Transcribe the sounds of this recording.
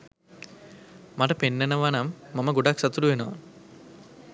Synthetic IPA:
maʈəpenːenəʋanamːaməɡoɖaksɐt̪uɾuʋenoʋa̰

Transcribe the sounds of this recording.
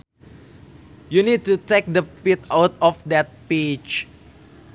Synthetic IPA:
junid̚tutek̚dəpitawtɔfdɛt̚pet͡ʃ

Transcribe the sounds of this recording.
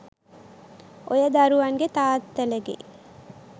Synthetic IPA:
ʔojəd̪aɾuʋaŋɡet̪aːt̪ːeleɡḛ

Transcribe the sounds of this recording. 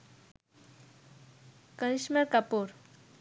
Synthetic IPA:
kəɾiɕmeɾkapoɾ

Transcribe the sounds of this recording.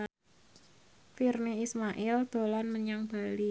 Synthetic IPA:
firniismaʔɪld̪̥o̤lanməɲaŋb̥a̤li

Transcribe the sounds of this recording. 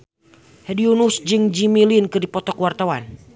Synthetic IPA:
hɛdiunusd͡ʒɨŋd͡ʒimilinkɨrdipɔt̪ɔkwart̪awan

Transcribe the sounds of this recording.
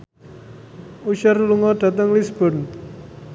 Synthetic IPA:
uʃərluŋɔɖ̥ä̤t̪əŋlisb̥ɔ̤n

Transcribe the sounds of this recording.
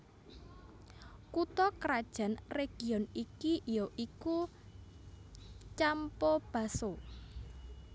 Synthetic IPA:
kut̪ɔkɾad̥ʒ̥a̤nreɡ̥i̤ɔnikijoʔiku | t͡ʃampɔb̥a̤so

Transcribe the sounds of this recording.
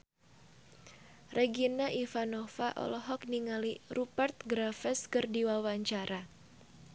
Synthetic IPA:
rʔɛɡinaʔifanɔfaʔɔ̰lɔɦɔk̚niŋalirupart̪̚ɡɾafɛskɨrdiwawaɲt͡ʃaɾa

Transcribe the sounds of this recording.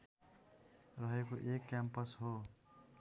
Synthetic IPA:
rʌɦekoʔekːampʌsɦo

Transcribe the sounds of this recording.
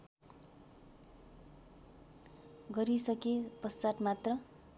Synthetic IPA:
ɡʌɾisʌkepʌst͡saʈ̪mat̪rʌ

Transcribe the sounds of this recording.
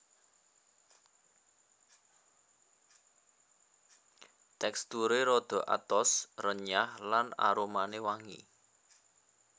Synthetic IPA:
t̪ɛkst̪uɾeɾɔd̪̥ɔ̤ʔa̰t̪ɔsrəɲahlana̰ɾomanewaŋḭ

